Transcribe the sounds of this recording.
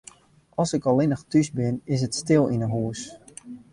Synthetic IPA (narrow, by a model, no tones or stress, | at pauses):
ɑlˠsɪkɔlɪnəxtysbɪnɪs̬ətstɪlˠinəɦuəs